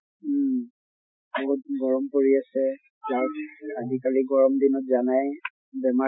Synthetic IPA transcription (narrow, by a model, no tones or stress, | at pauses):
ɔt̚ɡɔɹɔmpoɹiasɛ | zaadikaliɡɔɹɔmdinɔtzanaj | bɛma